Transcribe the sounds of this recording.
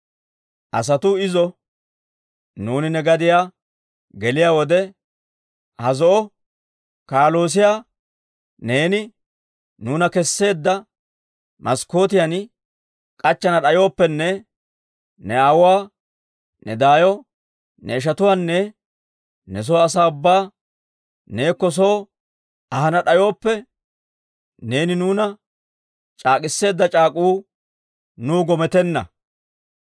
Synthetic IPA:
ʔɐs̬ɐt̪ʊɪzɔ | nuːnɪnɛɡɐd̪ɪjaː | ɡɛlɪjaːwɔd̪ɛ | hɐzɔʔɔ | kaːlo̞ːs̬ɪjaː | ne̞ːnɪ | nuːnɐkɛsːe̞ːd̪ːɐ | mʔɐsko̞ːt̪ɪjan | kʼɐt͡ʃːɐnɐɗɐjo̞ːpːɛnːɛ | nɛawʊwaː | nɛ̰d̪aːjɔ | nɛɪʃ̬ɐt̪ʊwaːnːɛ | nɛs̬ɔwːs̬aːʊbːaː | neːkːɔs̬oː | ɐɦɐnɐɗɐjo̞ːpːɛ | ne̞ːnɪnuːnɐ | t͡ʃʼaːkʼɪsːe̞ːd̪ːɐt͡ʃʼaːkʼuː | nuːɡɔmɛt̪ɛnːɐ̰

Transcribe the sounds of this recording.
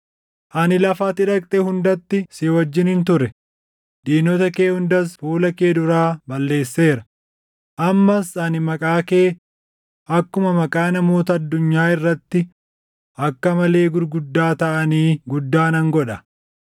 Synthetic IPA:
ʔɐnɪlɐfaːt̪ɪᶑɐkʼt̪ʼeɦʊnd̪ɐt̪ːɪseːwɐd͡ʒːɪnhɪnt̪ʊɾɛ | ᶑ̪iːnɔt̪ɐke̞ːhʊnd̪ɐsfuːlɐkeːd̪ʊɾaːbɐlːe̞ːsːe̞ːɾɐ | ʔɐmːɐsɐnɪmɐkʼaːke̞ː | ʔɐkːʊmɐmɐkʼaːnɐmo̞ːt̪ɐːd̪ːʊɲːaːɪrːɐt̪ːɪ | ʔɐkːɐmɐle̞ːɡʊɾɡʊd̪ːaːt̪ɐʔɐniːɡʊd̪ːaːnɐŋɡɔᶑɐ

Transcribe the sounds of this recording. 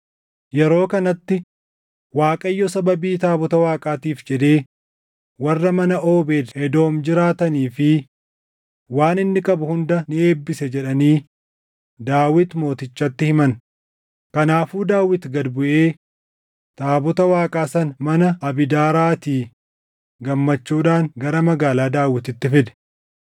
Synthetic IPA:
jɛɾo̞ːkɐnɐt̪ːɪ | waːkʼɐjːɔsɐbɐbiːt̪aːbɔt̪ɐwaːkʼaːt̪iːfd͡ʒɛd̪e̞ː | wɐrːɐmɐnɐʔoːbe̞ːd̪hɛd̪o̞ːmd͡ʒɪɾaːt̪ɐniːfɪ | waːnɪnːɪkʼɐbʊhʊnd̪ɐnɪe̞ːbːɪsɛd͡ʒɛᶑɐniː | d̪aːwɪt̪mo̞ːt̪ɪt͡ʃːɐt̪ːɪhɪmɐn | kɐnaːfuːd̪aːwːɪt̪ɡɐd̪bʊʔeː | t̪ʼaːbɔt̪ɐwaːkʼaːsɐnmɐnɐɐbɪd̪aːɾaːt̪iː | ɡɐmːɐt͡ʃːuːᶑaːŋɡɐɾɐmɐɡaːlaːd̪aːwɪt̪ɪt̪ːɪfɪd̪ɛ̥

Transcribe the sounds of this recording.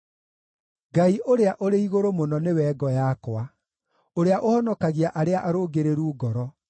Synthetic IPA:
ɡaiʔoɾeaʔoɾeiɣoɾomonɔnewɛːɡɔjakwa | oɾeaʔohɔnɔkaɣiaʔaɾeaʔaɾoːɡeɾeɾuːɡɔɾɔ

